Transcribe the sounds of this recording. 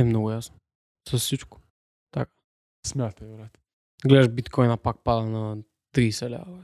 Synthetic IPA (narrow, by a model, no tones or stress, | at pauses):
ɛmnɔɡujasn | sɔsit͡ʃku̥ | t̪akḁ | smʲat̪aɾat̪ | ɡlɛd̪ɛʒbit̪kʰɔjnapak̚pad̪ana | t̪ɾisɛlɛ̰a̰